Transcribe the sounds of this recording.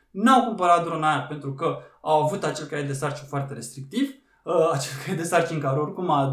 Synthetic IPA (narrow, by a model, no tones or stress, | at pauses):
nawkumpəɾat̪̚d̪ɾo̞najape̞nt̪ɾukəawavut̪at͡ʃe̞lkajed̪e̞sart͡ʃinfoart̪e̞ɾe̞st̪ɾik̚t̪iv | at͡ʃelkajed̪e̞sart͡ʃiŋkaɾeo̞rkuma